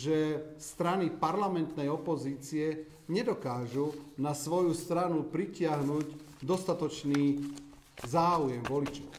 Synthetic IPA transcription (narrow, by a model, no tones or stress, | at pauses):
ʒɛst̪ɾanipaɾlamɛnt̪nɛjɔpɔziːt͡siɛ | ɲɛd̪ɔkaːʒunasʋɔjust̪ɾanupɾicɪaɦnuːɟ | d̪ɔst̪at̪ɔt͡ʃniː | zaːujɛmʋɔlit͡ʃɔʊ